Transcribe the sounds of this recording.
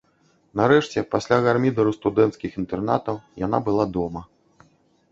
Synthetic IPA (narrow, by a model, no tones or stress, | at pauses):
nɐɾɛʂt͡sʲɛpasʲlʲaɣarmʲid̪ɐɾust̪ud̪ɛnt̪skʲixint̪ɛrnat̪ɐwjan̪a̰bɨlˠad̪ɔmɐ